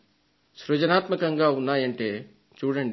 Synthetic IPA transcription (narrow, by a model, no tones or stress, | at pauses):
sɾod͡ʒənaːt̪məkɐŋɡaunːaːjeɳʈe | t͡ʃuːɽeɳ